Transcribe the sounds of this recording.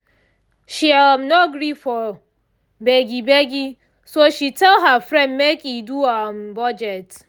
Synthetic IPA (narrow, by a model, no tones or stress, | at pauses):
ʃiamnɔɡɾifɔ | beɡibeɡi | soʃitɛlɦafɾɛ̃ndmekiduam̩bɔd͡ʒɛt